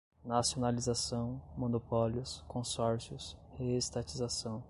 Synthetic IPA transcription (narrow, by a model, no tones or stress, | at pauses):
nasionalizasɐ̃w̃mõnopɔljʊskõsɔɾsiʊshest̪at͡ʃizasɐ̃w̃